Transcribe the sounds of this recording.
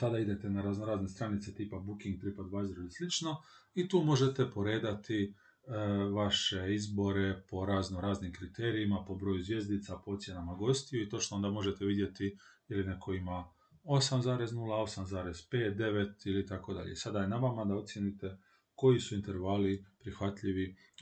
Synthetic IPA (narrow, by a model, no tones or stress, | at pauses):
t̪ad̪aid̪e̞t̪enaɾaznoɾaːznest̪ɾanit̪se̞t̪iːpabukiŋɡ̚t̪ɾipad̪ʋazɾolislit͡ʃno̞it̪uːmo̞ʒe̞t̪e̞po̞ɾe̞ːd̪at̪i | ʋaʃe̞izbo̞ɾe̞po̞ɾaːznoɾaːznimkɾit̪eːɾiimapo̞bɾo̞ːjuzʋje̞zd̪it̪sapoot̪sʲje̞namaɡo̞st̪ijuit̪o̞t͡ʃnoond̪amo̞ʒet̪eʋid̪je̞t̪ijilinekʰo̞ima | o̞samzaːɾe̞znulao̞samzaːɾe̞zpe̞ːt̪̚d̪e̞ʋet̪ilit̪ako̞d̪a̰ʎḛsad̪ajenaʋamad̪ao̞t̪sjenit̪e̞ | ko̞jisuint̪e̞ɾʋalipɾixʋat̪ʎiʋi